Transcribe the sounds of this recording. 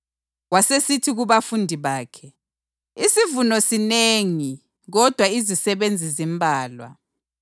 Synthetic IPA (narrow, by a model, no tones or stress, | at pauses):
wasesitʰiɣuβafundʱiβaːkʰɛ | isivunɔsineŋi | ɣɔd̥ʱwaizisɛβend͡zʱizimbʱaːlwa̰